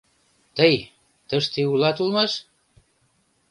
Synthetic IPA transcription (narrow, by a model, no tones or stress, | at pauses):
t̪əj | t̪əʃt̪iulɑt̪ulmɑʃ